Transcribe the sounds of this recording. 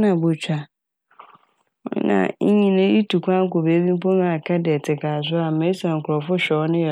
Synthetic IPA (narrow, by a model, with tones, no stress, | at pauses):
nã˨bʊ˨t͡ɕʰᶣa˨˦ | nã̰˨˦ɲĩ˦nʊ̃˦i˦tʰu˨kʷʰã˦ŋ̩˦ko˨be˨˦bĩ˦m˦pɔ˦nã˦a˨kʰa˦dɪ˨ɛ˨tʰɪ˨kʰaː˨s̬ʊ˦a˨me˨˦i˦sã˨ŋ̩˨kʰʊ˨ɾɔ˨fʊ˦ɕᶣɛ˨ɔ˦nɪ̃˦jɛ˨